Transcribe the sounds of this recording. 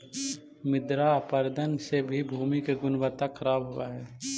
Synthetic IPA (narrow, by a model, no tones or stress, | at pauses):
mɪd̪ɾapəɾd̪ənsebʱibʱuːmikeɡʊnwət̪akʰəɾaːbɦʊaɦɛː